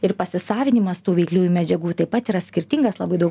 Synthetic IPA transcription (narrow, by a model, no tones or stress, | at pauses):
ɪɾpɐsʲɪsɑːʋʲɪnʲɪmɐst̪uːʋʲɛɪklʲuːjumʲɛd͡ʒʲɛɡuːt̪ɐɪpɐt̪iːɾɐsʲkʲɪɾʲt̪ʲɪŋɡɐslˠɐbɐɪd̪ɐʊk